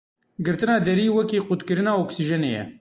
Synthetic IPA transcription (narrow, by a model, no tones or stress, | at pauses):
ɡɨɾt̪ɨnɑːd̪ɛɾiːwɛkiːqut̪kɨɾɨnɑːoksiʒɛnḛːjɛ̰